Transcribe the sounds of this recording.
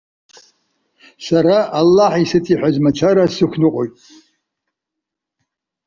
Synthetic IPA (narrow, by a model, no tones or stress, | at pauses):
saɾaʔalːaħisɨtʰiħʷᶣazmat͡ʃʰaɾasɨkʷʰnɨqʷʼo̰jtʼ